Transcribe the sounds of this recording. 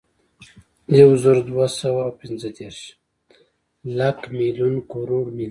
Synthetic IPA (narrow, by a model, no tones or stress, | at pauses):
jawzəɾd̪wasawawpɪnzəd̪eɾʃ | lakmiljunkoɾoɽmi